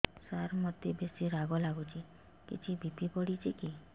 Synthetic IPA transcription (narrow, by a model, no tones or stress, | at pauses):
saɾmɔt̪ibesiɾaɡɔlaɡut͡ʃʰi | kḭt͡ʃʰibʱipipɔɽit͡ʃʰiki